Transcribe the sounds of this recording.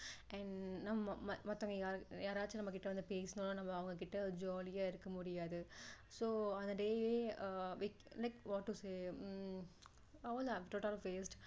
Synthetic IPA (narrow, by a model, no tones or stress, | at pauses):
ɛ̃ɳnɐmːɐmɐmɐmɐt̪ːɐːŋɡɐjaːɾjaːɾaːt͡ʃːɯnɐmːɐkɪʈːɐʋɐnd̪ɯpeːsɯnononɐmːɐːɐʋɐŋɡɐkɪʈːɐd͡ʒoːlɪjaːɪɾɯkːɐmʊɽɪjaːðɯ | soːɐ̃nd̪ɐɖeːeːʋi | lɐɪkʋɔːʈːuseː | ɐlaʈoːʈɐlfeːsʈ